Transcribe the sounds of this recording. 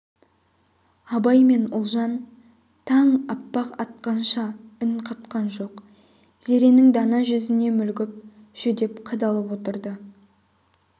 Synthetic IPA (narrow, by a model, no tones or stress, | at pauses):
ɑbɑjme̞nʊlˠʒɑn | t̪ʰɑɴɑpːɑqɑt̪̚qɑnʃɑʏnqʰɑt̪qɑnʒo̞q | z̥e̞ɾe̞nɪŋd̪ɑnɑʒʏzɪne̞mʏlɡʲɪp̚ʒ̥ʏd̪e̞pqʰɑd̪ɑlˠəpwo̞t̪əɾd̪ə